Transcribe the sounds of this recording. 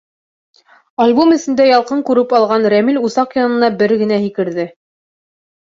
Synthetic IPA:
alʲbomɵ̆sɘ̆nd̪æjɑlˠqɤɴkʉɾɘpɑlˠʁɑnɾæmilʲusɑqjɑnɤ̆nɑbɘɾɡɘ̆næhikɘ̆ɾðɘ

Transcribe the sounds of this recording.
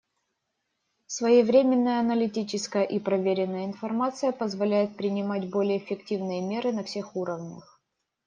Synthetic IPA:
svəjɪvɾʲemʲɪnːəjəɐnəlʲɪtʲit͡ɕɪskəjəʔipɾɐvʲeɾʲɪnːəjəɪnfɐrmat̪sɨjəpəzvɐlʲæjɪt̪̚pɾʲɪnʲɪmatʲbo̞lʲɪjəːɪfʲɪktʲivnɨjəmʲe̞ɾɨnɐfsʲe̞xuɾəvnʲə̰x

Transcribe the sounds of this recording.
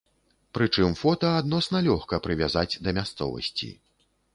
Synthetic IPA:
pɾɨt͡ʂɨmfɔt̪ɐad̪nɔsnɐlʲɔxkɐpɾɨvʲazad͡zʲd̪ɐmʲast̪sɔ̰vɐ̰sʲt͡sʲḭ

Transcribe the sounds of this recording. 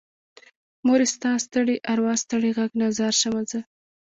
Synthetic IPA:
moɾɪst̪ɑst̪əɽiʔaɾwɑst̪əɽiɣaɡnazaɾʃamaza

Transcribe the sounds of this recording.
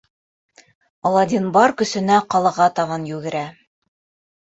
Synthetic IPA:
ɑlˠɑd̪ʲinbɑɾkɵ̆sɘ̆næqɑlˠɑʁɑt̪ɑʁɑnjʉɡɘ̆ɾæ

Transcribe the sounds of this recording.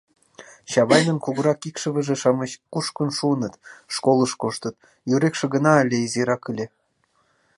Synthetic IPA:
ɕɑβɑjnə̆nkuɣəɾɑkikʃə̆βə̆ʒeʃɑməɕkuʃkənʃuənət̪ʃkolˠəʃkoʃt̪ət̪̚ | jyɾekʃĕɣənɑəlʲeizeɾɑkəlʲe

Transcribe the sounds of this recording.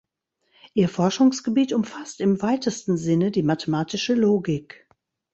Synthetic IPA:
ʔiːɐfɔɐʃʊŋsɡ̥əbiːtʊmfastɪmvaɪtəstn̩zɪnədiːmatʰəmaːtɪʃəloːɡɪk

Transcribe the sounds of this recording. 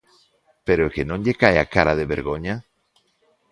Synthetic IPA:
peɾoekenõŋʎekajakaɾaðeβeɾɣoɲa

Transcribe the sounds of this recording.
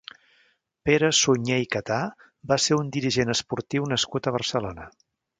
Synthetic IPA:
peɾəsuɲejkət̪a | baseɾund̪iɾiʒenəspuɾt̪iwnəskut̪əβ̞ərsəlonə

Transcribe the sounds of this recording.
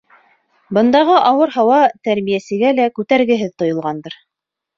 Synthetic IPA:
bɤ̆nd̪ɑʁɤʔɑwɤɾɦɑwɑt̪æɾmijæsɘ̆ɡælækʉt̪æɾɡɘ̆ɦɘðt̪ŏjŏlˠʁɑnd̪ɤɾ

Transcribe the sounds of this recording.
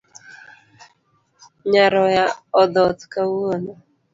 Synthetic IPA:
ɲaɾɔjaɔd̪ɔt̪kawuona

